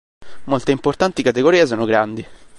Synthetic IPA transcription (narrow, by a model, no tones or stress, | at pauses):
molt̪eimport̪ant̪ikat̪eɡoɾiːas̬ɔːnoɡɾand̪i